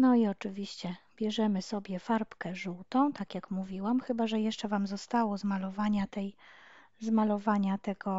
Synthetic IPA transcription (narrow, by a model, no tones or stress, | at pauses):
nɔiɔt͡ʂɘvʲiɕt͡ɕɛbʲjɛʐɛmɘsɔbʲjɛfaɾpkɛʐuwt̪ɔ̃w̃t̪akʲjakmuvʲiwamxɘbaʐɛjɛʂt͡ʂɛvamzɔst̪awɔzmalɔvaɲat̪ɛj | zmalɔvaɲat̪ɛɡɔ